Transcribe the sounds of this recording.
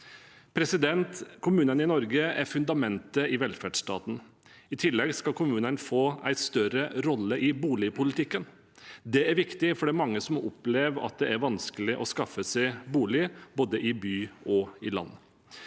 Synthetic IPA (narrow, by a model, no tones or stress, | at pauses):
pʰɾɛsɪd̪ɛnt̪kʰʊmʉːnənɪnɔɾɡəæɾfʉnd̪ɑmɛnt̪əɪʋɛlfæɖʂt̪ɑ̰ːt̪n̩ | ɪt̪ʰɪlːɛɡskɑlkʰʊmʉːnənfoːæ̰ɪst̪œɾəɾɔlːəʔɪbuːlɪpʰʊlɪt̪ʰɪkːən | d̪ɛæɾʋɪkt̪ɪfɔɖɛæɾmɑŋːəsɔmɔplɛːʋɑ̰t̪̚d̪ɛæɾʋɑnskəlɪʔɔskɑfəsæɪbuːlɪboːd̪əʔɪbyːɔɪlɑ̰nː